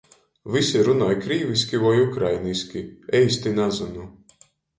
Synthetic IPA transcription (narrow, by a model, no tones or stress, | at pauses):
visiɾunaːjkɾiːvisʲkʲivɔjukɾajniskʲiɛjsʲt̪inazanu